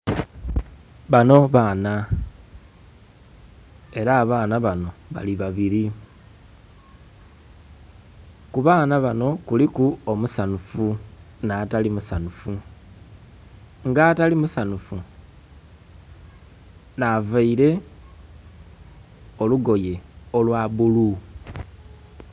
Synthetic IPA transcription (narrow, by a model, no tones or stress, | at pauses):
βano̞βaːna | e̞ɾaːβaːnaβano̞βa̰liβaβiɾi | kuβaːnaβano̞kulikuomusanufunatalimusanufu | ŋɡatalimusanufu | navaiɾe̞ | o̞luɡo̞je̞o̞lwaβulu